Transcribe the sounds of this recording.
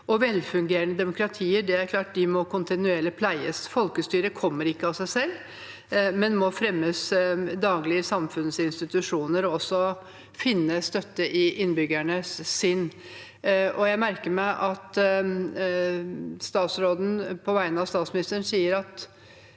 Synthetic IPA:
ɔʋɛlfʉŋɡeːɾənəd̪ɛmʊkɾɑt̪ʰiːəɖɛæɾkʰlɑːʈ̚d̪ɪmɔkʰʊnt̪ɪnʉɛlɪpʰlæɪə̰sfɔlkəst̪yːɾəkʰɔmːəɾɪkːəɑsæɪsɛlː | mɛnmɔfɾɛmːəsd̪ɑːɡlɪəsɑmfʉnsɪnst̪ɪt̪ʉʂuːnəɾɔɔsːɔ | fɪnːəst̪œt̪ːəʔɪʔɪnːbʏɡæɳəsːɪnː | ʔɔjæɪmæɾkəɾmæɪʔɑt̪ | st̪ɑːt̪sɾoːd̪n̩pʰɔʋæɪnəɑst̪ɑːt̪smɪnɪst̪əɳn̩siːəɾɑt̪

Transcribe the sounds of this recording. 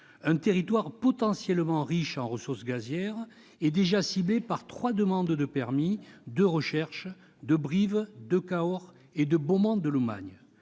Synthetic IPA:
ɛ̃t̪eʁit̪waʁpɔt̪ɑ̃sjɛlmɑ̃ʁiʃɑ̃ʁəsuʁsɡazjɛʁ | ɛd̪eʒasiblepaʁt̪χwad̪əmɑ̃d̪d̪əpɛʁmid̪əʁəʃɛʁʃ | d̪əbʁivd̪əkaɔʁ | ed̪əbɔmɑ̃d̪əlɔma̰ɲ

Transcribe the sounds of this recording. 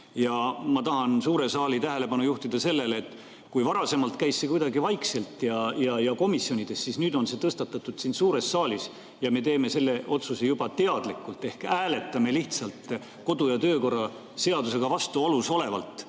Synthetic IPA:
jɑmɑt̪ɑhɑnsuːɾe̞sɑːlit̪æɦe̞le̞pɑnujuht̪id̪ɑse̞lːe̞leːt̪ː | kujvɑɾɑse̞mɑlt̪kæjsːe̞kujd̪ɑɡivɑjkse̞lt̪jɑjɑjɑko̞misjo̞nʲid̪̥e̞sːsisnyːd̪o̞nse̞ːt̪ɤst̪ɑt̪ːˑɑt̪ːˑud̪̥sinsuːɾe̞sːɑːlis | jɑme̞t̪e̞ːme̞se̞lːe̞ʔo̞t̪susejub̥ɑt̪e̞ɑd̪likːˑult̪ˑːe̞hkæːle̞t̪ːˑɑme̞liht̪sɑlt̪ | ko̞d̪ujɑt̪øːko̞rːɑ | se̞ɑd̪use̞ɡ̥ɑvɑst̪uoluso̞le̞vɑ̰lt̪ˑ

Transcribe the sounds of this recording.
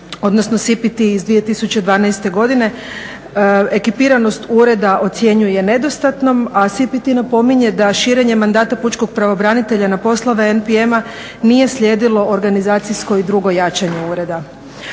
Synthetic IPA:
o̞d̪nosno̞sipit̪iːzd̪ʋije̞t̪isut͡ɕed̪ʋaːnajst̪e̞ɡo̞d̪ine̞ | e̞kipiɾano̞st̪uɾe̞d̪aʔo̞t̪sje̞ɲuje̞ne̞d̪o̞st̪at̪no̞masipit̪inapo̞miɲe̞d̪aʃiːɾe̞ɲe̞mand̪aːt̪aput͡ʃko̞ɡ̚pɾaʋobɾanit̪e̞ʎanapo̞slˠoʋeenpiema | nije̞sʎʲe̞ːd̪ilo̞oɾɡanizaːt̪sisko̞id̪ɾuɡo̞jat͡ʃaɲeuɾe̞d̪a

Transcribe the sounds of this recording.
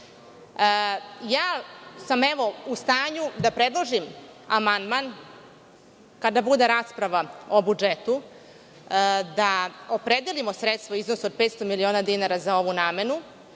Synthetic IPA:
jaːsameʋo̞ust̪aːɲud̪apɾed̪lˠoʒimamand̪maːn | kad̪abud̪eɾaːspɾaʋaobud͡ʒet̪u | d̪aopɾed̪elimo̞sɾet̪st̪vaiznosuod̪̚pet̪st̪o̞milio̞ːnad̪inaɾazao̞ʋunaːme̞nu

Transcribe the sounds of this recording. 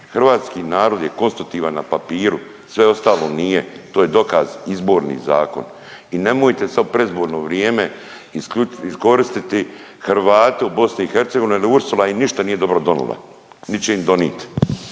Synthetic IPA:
xr̩ʋaːt̪skiːnaːɾo̞d̪je̞ko̞nst̪ɾut̪iːʋanːa̰papiːɾu | sʋe̞o̞st̪aːlo̞niːjet̪oːje̞d̪o̞kazizbo̞ːɾnḭːza̰ːko̞̰n | ine̞moːjt̪e̞samopɾe̞izbo̞ːɾno̞ʋɾjeːme̞ | iskuisko̞ɾist̪it̪i | xɾʋaːt̪eubo̞sniixe̞ɾt̪seɡoineliuɾsulˠainiʃt̪aniːje̞d̪o̞bɾo̞d̪o̞nṵlˠa̰ | nit͡ɕeimd̪o̞nḭːt̪i̥

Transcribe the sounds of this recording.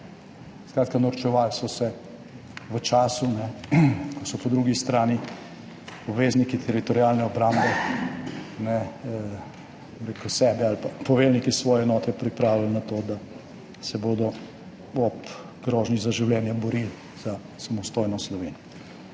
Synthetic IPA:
skɾaːt̪̚kanɐɾt͡ʃɛʋaːlsɔsɛ | ʋət͡ʃaːsunɛkɔsɔpɔd̪ɾuɡist̪ɾaːni | ɔbʋeːznikit̪ʰɛɾit̪ɔɾjaːlnɛɔbɾambɛ | nɛ | omɾeːkusɛːbɛalpapɔʋelnikisʋɔːjɛɛnɔːt̪ɛpɾipɾaːwlalnat̪oːd̪a | sɛboːd̪ɔ | ɔp | ɡɾɔːʒnizaʒiwlɛːnjabɔɾil | z̥a | samɔst̪ojnɔslɔʋeːnɔ

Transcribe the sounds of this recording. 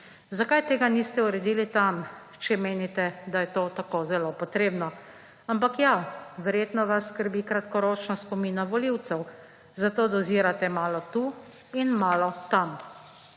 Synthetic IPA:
zakajt̪eːɡanist̪ɛuɾɛd̪iːlit̪am | t͡ʃɛmeːnit̪ɛd̪ajɛt̪oːt̪akozɛlopɔt̪ɾeːbnɔ | ampakjaʋɛɾjeːt̪nɔʋasːkəɾbiːkɾat̪kɔɾoːt͡ʃnaspɔminaʋɔliwt̪sɛw | zat̪oːd̪ɔziːɾat̪ɛmaːlɔt̪u | inmaːlɔt̪am

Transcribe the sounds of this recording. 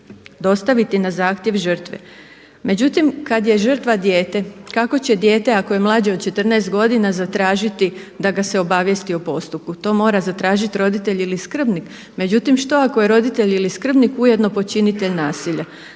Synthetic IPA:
d̪o̞st̪aʋit̪inazaːxt̪je̞ʋʒər̩t̪ʋḛ | me̞d͡ʑut̪imkad̪je̞ʒər̩t̪ʋad̪je̞ːt̪e̞kako̞t͡ɕe̞d̪je̞ːt̪e̞akoje̞mlˠaːd͡ʑeo̞d̪t͡ʃe̞t̪ərnɛest̪̚ɡo̞d̪inazat̪ɾaːʒit̪i | d̪aɡase̞o̞baʋje̞st̪iopo̞st̪up̚kut̪o̞ːmo̞ːɾazat̪ɾaːʒit̪iɾo̞d̪it̪eʎiliskr̩bnik | me̞d͡ʑut̪imʃt̪o̞ako̞jeɾo̞d̪it̪e̞ʎiliskr̩bnikuje̞d̪no̞po̞t͡ʃinit̪e̞ʎnaːsiʎa

